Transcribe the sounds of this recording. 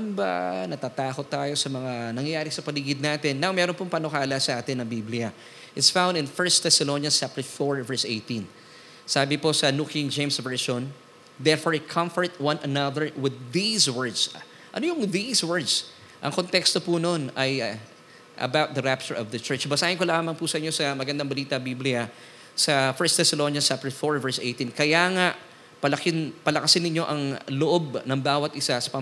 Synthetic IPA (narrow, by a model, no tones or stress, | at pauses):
nba̰nɐt̪aːt̪aːkot̪ːaːjo̞sɐmɐŋanɐŋjɐjaːɾɪsɐpɐliːɡɪd̪̚naːt̪ɪnːawmɛːɾonpʊŋpɐnokaːlɐsɐʔaːt̪ɪnɐŋbiːblɪjɐ | ʔɪt̪sfãw̃nd̪ɪ̃nfɛɹst̪ɛsɐlonjɐt͡ʃap̚t̪ɛfoɹvɛɹsʔejt̪ĩn | saːbɪposɐnukind͡ʒẽjmsvɛɹʃõn | d̪ɛɹfoɹɪkʰɐ̃mfəɹt̪wɐ̃nʔɐnɐðəɹwɪðːiswɛɹd̪s | ʔɐnojʊŋðiswɛɹd̪s | ʔɐ̰ŋkont̪ɛkst̪o̞punonɐj | ʔɐ̰bawt̪̚d̪ɐɹap̚t͡ʃʊɹɔvd̪ɐt͡ʃɛɹt͡ʃbɐsaːhɪnkolaːmɐŋpusɐʔɪɲːosɐmɐɡɐnd̪aŋbɐliːt̪ɐbiblɪjɐ | sɐfɛɹst̪ɛsɐlonjɐt͡ʃap̚t̪ɛfoɹvɛɹsʔejt̪inkɐjaːŋaʔ | pɐlɐkɪnpɐlɐkɐsɪnːɪɲːo̞ʔɐŋloʔob̚nɐŋbaːwɐt̪ʔɪsasɐ̥pɐ